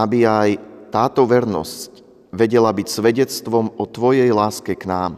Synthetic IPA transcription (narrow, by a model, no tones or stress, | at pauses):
abiajt̪aːt̪ɔʋɛɾnɔ̰sc | ʋɛɟɛlabicsʋɛɟɛt͡st̪ʋɔmɔt̪ʋɔjɛjlaːskɛknaːm